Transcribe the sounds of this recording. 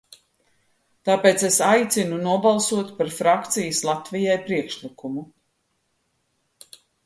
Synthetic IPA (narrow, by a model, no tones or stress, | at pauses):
t̪aːpeːt̪sesajt̪sinunuɔbalˠsuɔt̪paɾfɾakt̪sijəslˠat̪vijajpɾiɛkʃlikumu